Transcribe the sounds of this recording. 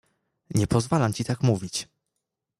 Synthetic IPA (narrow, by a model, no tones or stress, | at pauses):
ɲɛpɔzvalamt͡ɕit̪akmuvʲit͡ɕ